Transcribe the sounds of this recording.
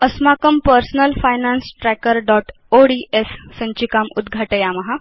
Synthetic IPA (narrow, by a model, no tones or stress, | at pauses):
əsmakəmpəɾsnəlfajnansʈɾɛkəɾɖɔʈ | oɽiʔesːə̃ɲt͡ɕikamud̪ɡʱaʈəjaməɦa